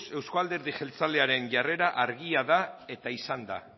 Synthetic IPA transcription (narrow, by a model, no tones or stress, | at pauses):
se̞wskoald̪e̞ɾðiʝe̞lt͡sale̞aɾe̞nʝare̞ɾaʔaɾɣiaðae̞t̪aisand̪a̰